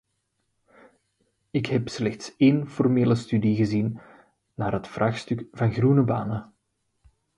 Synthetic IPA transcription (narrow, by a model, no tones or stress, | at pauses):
ɪkɦɛpslɛxtseːnfɔrmeːləstydiɣəzinː | aːrɦətfrʔaːxstʏkvɑnɣrunəbaːnə